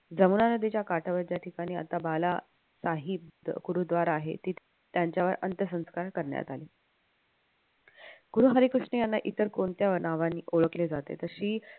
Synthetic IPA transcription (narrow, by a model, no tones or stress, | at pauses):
d͡zəmunanəd̪ʱit͡ɕjakaʈʰəʋəɾd͡ʑjaʈʰikaɽ̃iːa̰t̪abala | saɦip̚d̪kuɾud̪ʋaɾaːɦḛt̪iː | t̪jaɲt͡ɕjaʋəɾənt̪əsə̃w̃skaɾkəɾɳja̰t̪aliː | ɡ̥uɾũɦaɾiːkɾuʂɳəjanːaʔit̪əɾkoɳt̪jaʋəɾnaʋanːiːʔoɭəkled͡zat̪ḛt̪əɾɕiː